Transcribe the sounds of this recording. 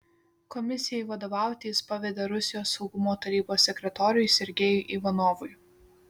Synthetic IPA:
kɔmʲɪsʲɪjɛɪʋɐd̪oːʋɑˑʊt̪ʲiːspɐʋʲɛd̪ʲeɾʊsʲɪjoːsːɒʊɡʊmoːt̪ɐɾʲiːboːsːʲɛkʲɾʲɛt̪ɔːɾʲʊɪsʲɪɾʲɡʲeːjʊɪʔiʋɐnɔːʋʊj

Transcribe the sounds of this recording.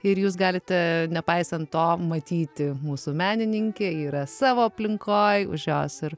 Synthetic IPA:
ɪɾjuːs̬ɡɑːlʲɪt̪ʲɛnʲɛpɐɪsɐnt̪toːmɐt̪ʲiːt̪ʲɪmuːsʊmʲæːnʲɪnʲɪŋʲkʲeːiːɾɐsɑːʋoːɐpʲlʲɪŋkoːjʊ̰ʒʲjoːsɪɾ

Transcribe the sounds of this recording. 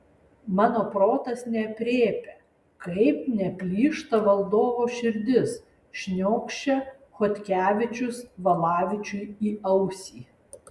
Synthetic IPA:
mɑːnoːpɾoːt̪ɐsnʲɛpʲɾʲeːpʲe | kɐɪpnʲɛpʲlʲiːʃt̪ɐʋɐlˠd̪oːʋoʃʲɪɾʲd̪ʲɪs | ʃʲnʲoːkʃʲt͡ʃʲɛ | xot̪ʲkʲæːʋʲɪt͡ʃʲʊsʋɐlˠɑːʋʲɪt͡ʃʲʊɪiːɐʊsʲiː

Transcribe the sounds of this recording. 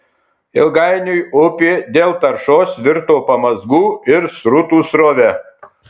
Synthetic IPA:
ɪlˠɡɐɪnʲʊjʊpʲɪd̪ʲeːlˠt̪ɐɾʃoːsʋʲɪɾt̪oːpɐmɐzɡuːɪɾsɾʊt̪uːsɾoːʋʲɛ

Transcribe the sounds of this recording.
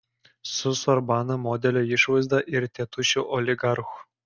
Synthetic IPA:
susorbɑnɤ̆mod̪ʲelʲĕjiʂʋɯzʲd̪ɑʔirʲt̪ʲet̪uɕuʔolʲiɡɑrx

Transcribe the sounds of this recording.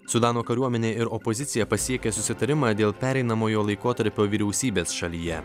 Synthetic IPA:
sʊd̪ɑːnoːkɐɾʲuɔmʲɛnʲeːɪɾɔpɔzʲɪt̪sʲɪjɛpɐsʲiɛkʲɛsʊsʲɪt̪ɐɾʲɪmɑːd̪ʲeːlˠpʲæːɾʲɛɪnɐmoːjoːlˠɐɪkoːt̪ɐɾʲpʲoːʋʲiːɾʲɛʊsʲiːbʲeːsʃɐlʲijɛ

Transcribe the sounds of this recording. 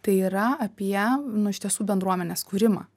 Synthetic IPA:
t̪ɐɪiːɾɐɐpʲiɛnʊɪʃʲt̪ʲiɛsuːbʲɛnd̪ɾuɔmʲɛnʲeːskuːɾʲɪmɑ̰ː

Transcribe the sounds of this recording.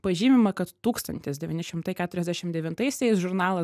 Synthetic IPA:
pɐʒʲiːmʲɪmɐkɐt̪t̪uːkst̪ɐnʲt̪ʲɪsd̪ʲɛʋʲiːnʲɪʃʲɪmt̪ɐɪkʲæːt̪ʊɾʲɛzʲd̪ʲæʃʲɪmd̪ʲɛʋʲɪnt̪ɐɪsʲɛɪsʒʊɾnɑːlˠɐ

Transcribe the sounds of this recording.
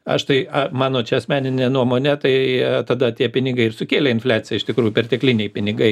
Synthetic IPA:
ɐ̰ʃt̪ɐɪɐmɑːnoːt͡ʃʲɛɐsʲmʲæːnʲɪnʲeːnuɔmoːnʲɛt̪ɐɪt̪ɐd̪ɐt̪ʲiɛpʲɪnʲɪɡɐɪɪrsʊkʲeːlʲeɪnfʲlʲæːt͡sʲɪjɛɪʃt̪ʲɪkɾuːjʊpʲɛrt̪ʲɛklʲɪnʲɛɪpʲɪnʲɪɡɐɪ

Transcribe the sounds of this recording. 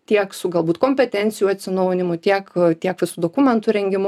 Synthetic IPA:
t̪ʲiɛksʊɡɐlˠbuːt̪koːmʲpʲɛt̪ʲɛnʲsʲɪjuːɐt̪ʲsʲɪnɐʊnʲɪmʊt̪ʲiɛkt̪ʲiɛkʋʲɪsuːd̪oːkumʲɛnt̪ʊɾʲɛŋʲɡʲɪmʊ

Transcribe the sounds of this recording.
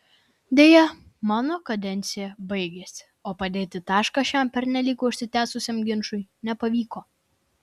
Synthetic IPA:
d̪ʲeːjɛmɑːnoːkɐd̪ʲɛnʲt̪sʲɪjɛbɐɪɡʲeːsʲɪ̥ | oːpɐd̪ʲeːt̪ʲɪt̪ɑːʃkɑʃʲɛmpʲɛɾnʲɛlʲiːkʊːʊʃʲsʲɪt̪ʲæːsʊsʲeːmɡʲɪnʃʊɪnʲɛpɐʋʲiːkoː

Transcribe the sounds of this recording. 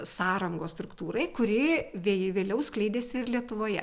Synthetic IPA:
sɑːɾɐŋɡoːsst̪ɾʊkt̪uːɾɐɪkʊɾʲɪʋʲeʋʲeːlʲɛʊsklʲɛɪd̪ʲeːsʲɪɪrlʲiɛt̪ʊʋoːjɛ̰

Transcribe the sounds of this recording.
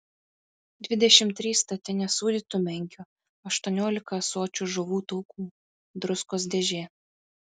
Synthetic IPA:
d̪ʲʋʲɪd̪ʲɛʃʲɪmt̪ʲɾʲiːst̪ɐt̪ʲɪnʲɛsuːd̪ʲiːt̪umʲɛŋʲkʲu | ɐʃt̪uɔnʲoːlʲɪkɐsoːt͡ʃʲuʒʊʋuːt̪ʊːkuː | d̪ɾʊskoːs̬d̪ʲɛʒʲeː

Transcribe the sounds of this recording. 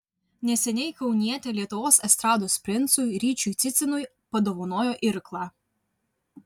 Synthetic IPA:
nʲɛsʲɛnʲɛɪkɐʊnʲiɛt̪ʲelʲiɛt̪ʊʋoːsɛst̪ɾɑːd̪oːsʲpʲɾʲɪnt̪sʊjɾʲiːt͡ʃʲujt̪sʲɪt̪sʲɪnʊj | pɐd̪oʋonoːjoːʔɪɾklˠɑː

